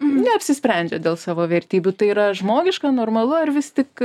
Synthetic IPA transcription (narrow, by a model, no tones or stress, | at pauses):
nʲɛɐpʲsʲɪsʲpʲɾʲɛnʲd͡ʒʲɛd̪ʲeːlˠsɑːʋoːʋʲɛɾʲt̪ʲiːbʲut̪ɐɪiːɾɐʒmoːɡʲɪʃkɑːnoːrmɐlˠʊɐrʋʲɪst̪ʲɪk